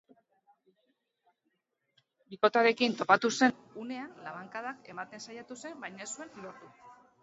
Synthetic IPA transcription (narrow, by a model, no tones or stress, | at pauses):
biko̞t̪aɾe̞kint̪o̞pat̪use̞nune̞anlaβaŋkað̞ake̞mat̪e̞nsajat̪use̞mbajɲnesue̞nloɾt̪u